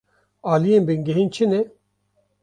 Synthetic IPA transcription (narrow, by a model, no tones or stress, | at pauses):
aːliẽmbiŋɡeɦint͡ɕʰine